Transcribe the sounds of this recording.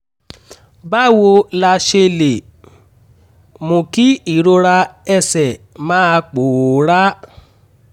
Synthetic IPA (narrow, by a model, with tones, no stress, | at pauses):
ba˦wo˧la˧ʃe˧le˨ | mõ˨ki˦i˦˨ɾo˧ɾa˧ɛ˧sɛ˨ | mãː˨˦˧k͡po˨ɾa˦